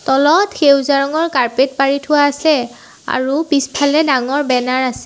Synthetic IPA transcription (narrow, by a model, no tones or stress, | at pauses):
tɔlɔtxewzaɹɔŋɔɹkaɹpet̚paɹitʰʊwaːsɛ | a̰ɹupispʰalɛdaŋɔɹbɛnaɹasɛ